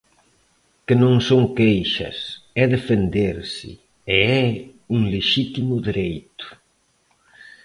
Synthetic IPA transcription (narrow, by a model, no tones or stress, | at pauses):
kɪnõŋsoŋkejʃɐ̰sɛðefend̪eɾsɪ̰ | eɛ | uŋleʃit̪imʊðiɾejt̪ʊ̥